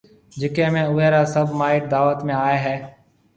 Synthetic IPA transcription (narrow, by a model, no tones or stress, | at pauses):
d͡ʒɪkẽːmẽːʊːɦeːɾaːsəbʱmaːɪʈ̚d̪aːʋət̪mẽːaːeːɦɛː